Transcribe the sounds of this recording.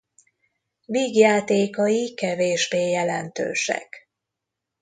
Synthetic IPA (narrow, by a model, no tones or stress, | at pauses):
viːɡjaːt̪eːkɒjikɛveːʒbeːjɛlɛnt̪ø̰ːʃɛ̰k